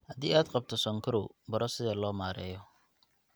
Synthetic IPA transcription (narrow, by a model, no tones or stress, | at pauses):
hɐd̪iːaːd̪qɑb̚t̪ʰɔsɔŋkʰɐɾobɐɾʔɔsɪðɐlɔːmaːɾɛ̰ːjɔ